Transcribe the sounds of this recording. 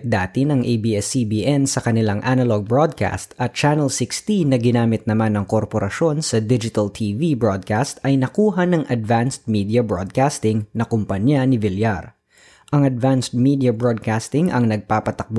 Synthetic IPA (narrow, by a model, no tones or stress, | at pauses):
d̪aːt̪ɪnɐŋʔejbiɛsibiːʔɛnsɐkɐnɪlaŋʔanɐloɡ̚bɹod̪̚kʰa̰st̪ɐt̪̚t͡ʃanɛlsɪkst̪inːɐɡɪnaːmɪt̪̚nɐmanɐŋkoɾpoɾʔɐʃo̞nsɐd̪ɪd͡ʒɪt̪ɐlt̪ʰiːvibɹod̪̚kast̪ɐjnɐkuːɦɐnɐŋʔɐd̪vanst̪̚miːd̪iɐbɹod̪̚kast̪ɪŋnɐkʊmpɐɲjanɪvɪljaɾ | ʔɐŋɐd̪vanst̪̚mid̪ɪjɐbɹod̪̚kast̪ɪŋʔɐ̰ŋnɐɡ̚paːpɐt̪ɐk̚b